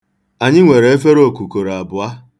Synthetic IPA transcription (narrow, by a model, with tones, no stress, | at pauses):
a˨ɲɪ˦ŋʷe˨ɾe˨˦e˦fe˦ɾo˦˨ku˨ko˨ɾa˨bʊ˨a˦